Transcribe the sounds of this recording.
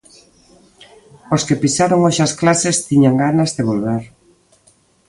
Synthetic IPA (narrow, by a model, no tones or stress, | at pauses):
oskepisaɾoŋoʃasklasest̪iɲaŋɡanazðeβolβaɾ